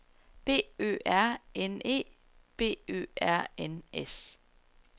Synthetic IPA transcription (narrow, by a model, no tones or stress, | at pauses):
b̥e̝̰ːø̰ːæɐ̰ene̝̰ː | b̥e̝̰ːø̰ːæɐ̰enes